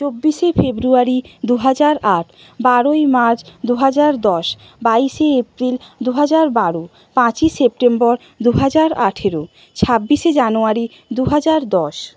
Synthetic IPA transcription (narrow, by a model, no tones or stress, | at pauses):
t͡ɕobːiʃefebɾuaɾid̪uɦad͡ʑaɾaʈʰ | baɾojmaɾt͡ɕd̪uɦad͡ʑaɾd̪ɔʃ | baiʃeepɾild̪uɦad͡ʑaɾbaɾo | pãt͡ɕiʃep̚ʈembɔɾ | d̪uɦad͡ʑaɾaʈʰeɾo | t͡ɕʰabːiʃed͡ʑanoaɾi | d̪uɦad͡ʑaɾd̪ɔʃ